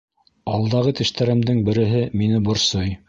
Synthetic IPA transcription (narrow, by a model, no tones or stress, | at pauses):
ɑlˠd̪ɑʁɤt̪ɘ̆ʃt̪æɾɘ̆md̪ɘŋbɘ̆ɾɘ̆ɦɘminɘbŏɾsɤj